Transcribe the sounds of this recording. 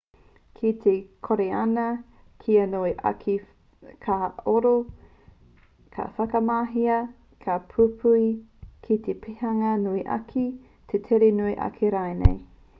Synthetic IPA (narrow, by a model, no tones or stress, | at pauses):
kʰit̪ʰekʰoɾeɐnɐ | kʰiɐnoeʔa̰kʰi | kʰaoɾo | kʰɐ̰fɐkɐmaːɦiɐ | kʰɐpʰupʰuikʰit̪epʰehɐŋɐnuiʔɐ̰kʰi | tʰetʰeɾenuiʔɐ̰kʰeɾaenḛj